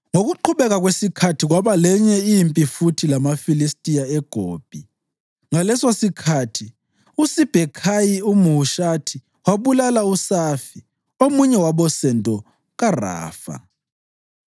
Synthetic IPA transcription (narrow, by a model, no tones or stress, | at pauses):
ŋoɣuǃʰuβɛɣaɣwesikʰatʰiɣwaβalɛɲɛimpʼifutʰilamafilistʼijaɛɡ̥ʱoːb̥ʱi | ŋalɛsosikʰatʰi | usib̥ʱɛkʰajiumuuʃatʰi | waβulalausafi | omuɲɛwaβɔsɛntʼɔ | ɣara̰ːfa̰